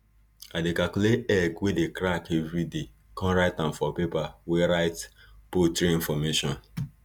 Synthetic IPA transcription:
adekakuletɛɡwedekɾakevɾide | kʰɔ̃nɾaɪtãnfɔpepaweɾaɪt | potɾeĩfɔmeʃɔ̃n

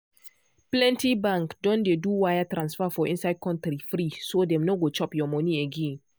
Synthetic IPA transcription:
plɛ̃ntibãŋkdɔ̃ndeduwajatɾãnsfafɔʔĩnsaɪd̚kɔ̃ntɾifɾisodɛ̃mnoɡot͡ʃɔpjɔmɔ̃nieɡẽn

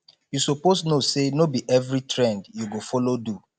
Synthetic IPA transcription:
jusoposnosenobiʔɛvɾitɹɛ̃ndjuɡofɔlodu

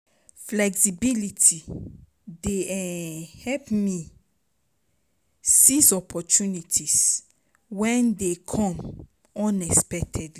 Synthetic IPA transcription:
flɛksibilitʰi | deɛhɛpmi | sisɔpʰɔtʰunitʰis | wɛ̃ndekʰɔ̃m | ɔ̃nɛspɛk̚tʰɛdli

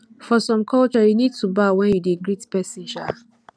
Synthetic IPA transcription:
fɔsɔ̃mkʰɔlt͡ʃɔjunid̚tubawɛ̃njudeɡɹitpɛsĩnʃa

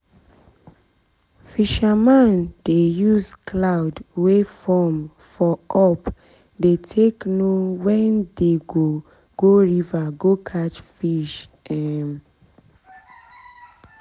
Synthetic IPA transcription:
fiʃamãndejuzklaʊdwefɔm | fɔʔɔp | detʰeknowɛ̃ndeɡo | ɡ̥oɹivaɡokʰat͡ʃfiʃ | ɛm

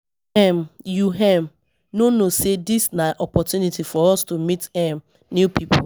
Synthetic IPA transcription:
ɛmjuɦɛ̃m | nonosedisnaʔɔpɔtjunitifɔɔstumitɛm | njupʰipʰo

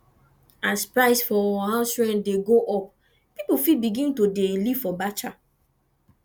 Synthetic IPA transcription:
aspɹaɪsfɔaɦãsfɹɛ̃ndeɡoʔɔp | pipufid̚biɡĩntodeliv̥fɔbat͡ʃa

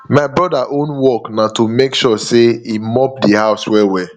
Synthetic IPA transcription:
maɪbɹɔdaʔõnwɔknatomekʃɔseimɔp̚dihaʊswɛwɛ

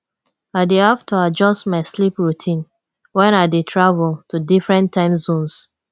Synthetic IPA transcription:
aɪdehaftʰuad͡ʒɔstmaɪslipɹutʰĩn | wɛ̃naɪdetʰɹavultudifɹɛ̃ntʰːãɪ̃mzõns

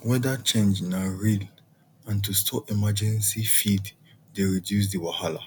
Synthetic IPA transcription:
wɛdat͡ʃẽnd͡ʒnaɹil | ãntustʰɔimad͡ʒɛ̃nsifid | deɹidjus̬diwahala̰

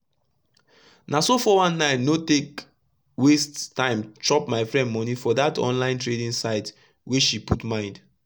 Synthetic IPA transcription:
nasofɔwãnːaɪnotek | westtãɪ̃mt͡ʃɔpmaɪfɹɛ̃ndmɔnifɔdatɔ̰̃nlãɪ̃ntɹedĩnsaɪt | wit͡ʃʃiputmãɪ̃nd

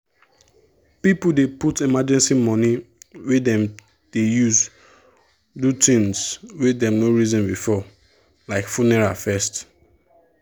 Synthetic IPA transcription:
pipudeputimad͡ʒɛ̃nsimɔ̃niwedɛ̃m | d̥ejuz | dutĩŋswedɛ̃mnoɹizɔ̃nbifɔ | laɪkfunɛɹafɛst

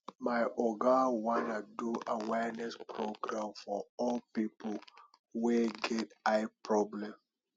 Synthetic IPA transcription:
maɪʔɔɡawãnaduʔawɛnɛspɹoɡɹãmfɔɔlpipə | weɡɛtaɪpɹɔblɛ̃m

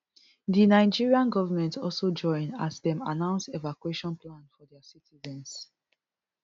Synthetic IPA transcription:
ðinaɪd͡ʒiɹiãnɡɔvəmɛ̃ntɔlsod͡ʒɔ̃ɪ̃nazðɛ̃ma̰nãʊ̃nsevakweʃɔ̃nplãnfɔðɛsitʰizɛ̃ns

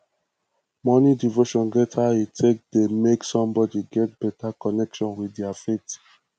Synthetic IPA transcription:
mɔnidivoʃɔ̃nɡɛtʰaetʰek̚demeksɔ̃mbɔdiɡɛt̚b̥ɛtakɔnɛkʃɔ̃nwidiafet

